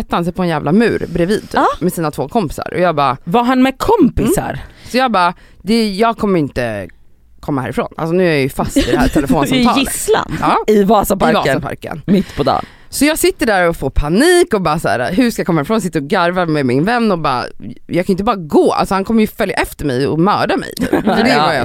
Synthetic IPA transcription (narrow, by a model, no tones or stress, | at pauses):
ɛt̪ːahans̬ɛjpʰɔɛnjæːvlamʉ̟ːɾbɾɛviːd̪̚t̪ʰy̰ːmɛsiːnat̪ʰvoːkʰɔmpɪ̥sa̰ɾʔɔ̰jɑːɡbɑ̰ːvaɾɦanmɛkʰɔmpɪsa̰ɾsɔjɑːɡbɑː | d̪ɛjɑːɡ̚kʰɔmːəɾɪnt̪ə̰ | kʰɔmːahæ̰ːɾɪfɾo̰ːna̰lsɔnʉ̟ːæjɾjajɵfast̪ɪd̪ɛhæːtʰɛlɛfoːnsamʰɑːjɪəsla̰nɑːɪvɑːsapaɾvɑːsapʰa̰ɾkə̰nmɪt̪ːpʰɔd̪ɑ̰ːn | sɔjɑːɡsɪt̪ːəɖæɾɔfoːpʰaniːkɔbɑːsæ̰ːɾa̰ɦɵʂkajkɔmːaæɾfɾonsɪt̪ːəɾɔɡaɾvamɛmɪnvɛnːɔbɑ̰ːjɑɡkʰanjɪnt̪əbɑːɾaɡoːʔa̰lsɔhankʰɔmːəɾjɵfœlja̰ʔɛft̪əɾmɛ̰jɔmœːɖamɛ̰jt̪ʰy̰ːppɔdɛvajɑ̰